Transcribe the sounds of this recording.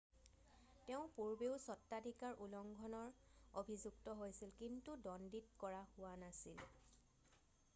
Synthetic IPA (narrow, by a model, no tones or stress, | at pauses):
teʊ̃puɹbeʊsɔtːadʱikaɹʔulɔŋɡʱɔnɔɹobʱizuktɔɦojsilkintudɔnditkɔɹahʊwanasil